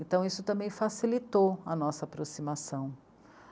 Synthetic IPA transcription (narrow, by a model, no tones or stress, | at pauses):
ẽnt̪ɐ̃w̃isʊt̪ɐ̃mbẽj̃fasilit̪oɐnɔsɐapɾosimasɐ̃w̃